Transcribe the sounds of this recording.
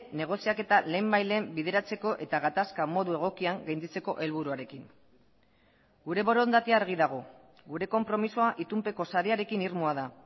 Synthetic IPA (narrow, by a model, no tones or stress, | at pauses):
ne̞ɣ̞o̞siake̞t̪ale̞ːmbajle̞ːmbiðe̞ɾat͡se̞ko̞ʔe̞t̪aɣat̪askamo̞ðue̞ɣ̞o̞kiaŋɡajnd̪it͡se̞ko̞ʔe̞lβuɾuaɾe̞kiŋ | ɡuɾe̞βo̞ɾo̞nd̪at̪iaːɾɣ̞iðaɣ̞o̞ | ɡuɾe̞ko̞mpɾo̞misoaʔit̪umpe̞ko̞saɾeaɾe̞kiniɾmoaða